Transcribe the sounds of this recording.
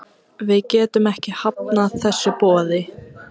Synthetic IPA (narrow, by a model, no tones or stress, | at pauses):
vɪðcɛːt̪ʏmɛhcɪhap̚naθɛsːʏpɔːðɪ